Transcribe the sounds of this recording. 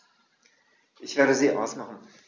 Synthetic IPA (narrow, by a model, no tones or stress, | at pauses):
ʔɪçv̥ɛːɐɾəziːʔa̰ʊsmaχn̩